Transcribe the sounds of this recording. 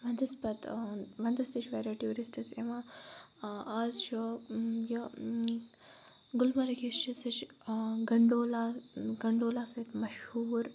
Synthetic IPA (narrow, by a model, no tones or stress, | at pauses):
ʋɐnd̪ɐspɐt̪ʋɐnd̪ɐst̪it͡ʃʰʋeɾɐʈjuːɾisʈɐsema | aːzʃoːjɐ | ɡulmɐɾɐkiʃt͡ʃɐsɐt͡ʃɡɐɳɖoːlaɡɐɳɖoːlaːsɐt̪mɐʃhuːɾ